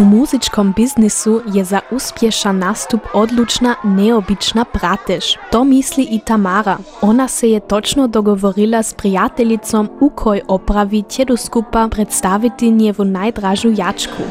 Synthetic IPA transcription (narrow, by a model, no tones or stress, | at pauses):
umuzit͡ʃkombiznisujɛzauspjɛʃanːast̪upod̪lut͡ʃnanɛobit͡ʃnapɾat̪ɛʃt̪omisliʔit̪amaɾa | onasɛjɛt̪o̞t͡ʃnod̪oɡoʋoɾilaspɾijat̪eʎit̪so̞mukʰojʔopɾaʋicɛd̪uskupapɾet̪st̪aʋit̪iniɛʋunajd̪ɾaʒnujat͡ʃkʰṵ